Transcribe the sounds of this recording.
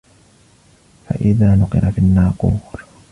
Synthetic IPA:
fa̰ʔɪðaːnʊqɨ̰ɾafinːaːquːɾ

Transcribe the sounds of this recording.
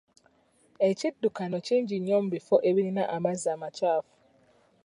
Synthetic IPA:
et͡ʃidːukanɔt͡ʃind͡ʒiɲɔ̃m̩bifɔʔeβininaʔamazamat͡ʃafu̥

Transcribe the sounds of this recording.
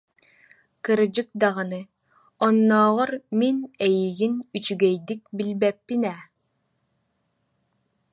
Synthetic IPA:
kɯɾɯd͡ʑɯk̚d̪aʁɯnɯ | ɔnːɔːʁɔɾminɛjiɡinyt͡ʃyɡɛjd̪ik̚bilbɛpːinɛ

